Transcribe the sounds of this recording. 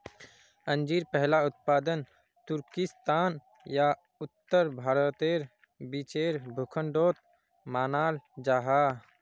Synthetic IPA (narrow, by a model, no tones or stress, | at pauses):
ə̃nd͡ʒiɾpɛɦlaʊt̪̚paːd̪ən | t̪ʊɾkɪst̪aːn | ja | ʊt̪ːəɾbʱaːɾət̪eːɾ | bit͡ʃeːɾbʱʊkʰəɳɖoːt̪̚ | maːnaːld͡ʒaːɦaː